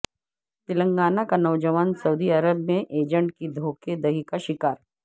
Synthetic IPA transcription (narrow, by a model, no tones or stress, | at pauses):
t̪ɪlə̃ŋɡaːnakanɐʋd͡ʒəʋaːnsɐuːd̪iɐɾəbmẽʔeːd͡ʒə̃ɳʈkid̪ʱoːked̪ɐɦikaʃɪkaːɾ